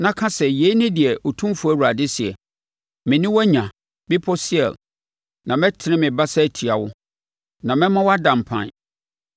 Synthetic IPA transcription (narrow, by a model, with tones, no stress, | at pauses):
nã˨kʰã˦sɛ˨je˨˦i˦nɪ̃˦dɪ˨ɛ˨o˨tʰũ˦m˦fu˨˦æ˦wu˨ɾa˨dɪ˦si˨ɛ˨ | mɪ̃˨nɪ̃˦wɔ˦ɲã˨ | bɪ˦pʰɔ˦si˦ɛ̰˨l | nã˨mɛ̃˦tʰɪ˨˦nɪ̃˦mɪ̃˨ba˦sa˦˨tʰi˨a˨wʊ˦ | nã˨mɛ̃˦mã˦wɔ˦a˦dã˨m˨pʰã̰˦˨n˨